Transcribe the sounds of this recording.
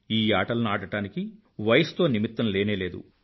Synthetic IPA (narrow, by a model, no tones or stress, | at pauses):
iːaːʈɐlɐnuaːʈɐʈaːniki | ʋɐjɐst̪o̞ːnimit̪ːɐmle̞ːne̞ːle̞ːd̪ṵ